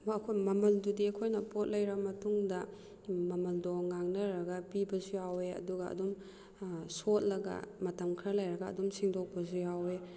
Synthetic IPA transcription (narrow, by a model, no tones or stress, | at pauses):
mɐkʰojmɐmɐldudiɐkʰojnɐpot̚lɐjɾɐmɐtuŋdɐ | mɐmɐldoŋaŋnɐɾɐɡɐpibɐsujaweɐ̰duɡɐɐ̰dum | sot̚lɐɡɐ̰mɐtɐmkʰɾɐlɐjɾɐɡɐ̰ːdumsiŋdok̚pɐsujawe